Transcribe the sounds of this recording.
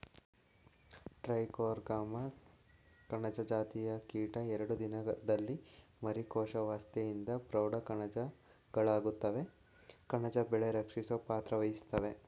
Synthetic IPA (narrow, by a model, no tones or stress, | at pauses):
ʈɾɐjkoːɾɡaːmɐ | kɐɳɐd͡ʒɐd͡ʒaːt̪ijɐkiːʈɐɛɾɐɽud̪inɐd̪ɐlːimɐɾikɔːʃɐʋaːst̪ejind̪ɐpɾɐwɽɐkɐɳɐd͡ʒɐ | ɡ̥ɐɭaːɡut̪ːɐʋe̞ | kɐɳɐd͡ʒɐbɛɭeɾɐkʂisopaːt̪ɾɐʋɐjist̪ɐʋe̞